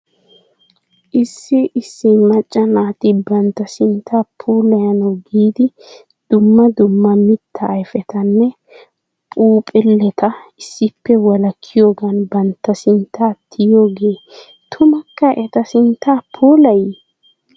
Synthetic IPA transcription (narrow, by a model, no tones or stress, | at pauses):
ʔɪsːɪʔɪsːɪmɐt͡ʃʼːɐnaːt̪ɪbɐnt̪ːɐsɪnt̪ʰːaːpʰuːlɐjɐnɐɡiːd̪ɪ | d̪̥ʊmːɐd̪ʊmːɐmɪt̪ʰːɐːjfɛt̪ɐnːɛ | pʼuːpʼɛlːɛt̪ɐɪsːɪpːɛwɐlɐkʰːɪjoːɡɐnbɐnt̪ːɐsɪnt̪ːaːt̪ʰːɪjo̞ːɡeː | t̪ʰʊmɐkːɐʔɛt̪ɐsɪnt̪ːaːpʰuːlɐj